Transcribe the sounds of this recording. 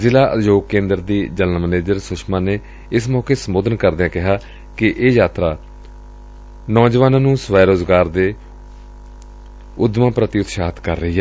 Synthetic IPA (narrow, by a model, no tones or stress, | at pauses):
zɪlaːʔə̰joːɡ̚kẽːnd̪əɾd̪iːd͡ʒələnməneːd͡ʒəɾsʊʃʰmãːneː | ɪsmɔːkeːsəmoːd̪ənkəɾd̪eãːkɪɦaː | kɪʔeːjaːt̪ɾaː | nɔːd͡ʒʋaːnãːnũːsʋɛːɾoːzɡaːɾd̪eː | ʊd̪mãːpɾət̪ɪʊt̪ʃaːt̪kəɾːəɦiːɦɛː